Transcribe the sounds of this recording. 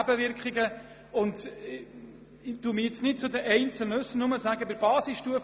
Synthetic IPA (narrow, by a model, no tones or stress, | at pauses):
æbəʋɪɾkχɪɡə | ʊnt | d̥umiɪt͡snɪt̚t͡sʊd̪əʔɛɪnt͡səl̩nɵsənʊməsæɡəbɪɾbɑːsisʃtuəf